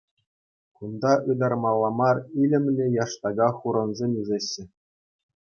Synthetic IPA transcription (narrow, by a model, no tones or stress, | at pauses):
kund̪ɑɯd̪ɑrmɑlˠːɑmɑrilʲɘ̆mʲlʲɘ̆jɑʂt̪ɑɡɑχuɾɤ̆nzʲemʲiʐeɕːɘ̆